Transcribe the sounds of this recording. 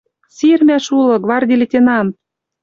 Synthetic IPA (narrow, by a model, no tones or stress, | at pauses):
sirmʲæʃulɤ̆ɡvɑrd̪ʲilʲĕt̪ʲenɑm